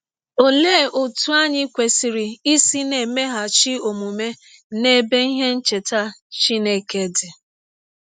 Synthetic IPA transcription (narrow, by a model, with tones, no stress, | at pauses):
o˨le˦˨o˨tu˦a˦ɲɪ˦kʷe˨si˨ɾi˨i˦si˦ne˨me˦ɦa˨t͡ʃi˦o˨mu˨me˦ | ne˦be˦i˦ɦe˦n̩˦t͡ʃe˨ta˦t͡ʃi˦ne˦ke˦dɪ˨